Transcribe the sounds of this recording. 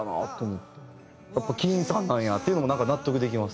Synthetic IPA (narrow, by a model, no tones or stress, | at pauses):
ana̰ːt̪ːoːmot̪ːe | japːakʲĩĩsãnːãɰ̃jat̪ːeiɯnomonãŋkanat̪ːo̞kɯ̟d̪e̞kʲimasɨ̥